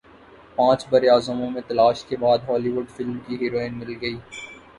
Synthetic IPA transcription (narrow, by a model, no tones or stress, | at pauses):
pãːt͡ʃbɐɾeaːzəmõmẽt̪ɐlaːʃkebaːd̪ɦɔːliʋʊɖfɪlmkiɦiːɾoːɪnmɪlɡɐiː